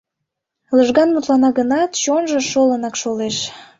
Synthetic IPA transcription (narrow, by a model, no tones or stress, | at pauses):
ləʒɣɑnmut̪lɑnɑɣənɑt̪t͡ɕonʒə̆ʃolənɑkʃoleʃ